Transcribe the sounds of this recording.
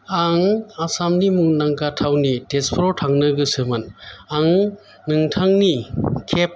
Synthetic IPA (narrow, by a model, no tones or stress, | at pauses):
aŋasamnimuŋnaŋkatʰawnitespʰɾotʰaŋnɯɡɯsɯmɯnaŋ | nɯŋtʰaŋnikʰep̚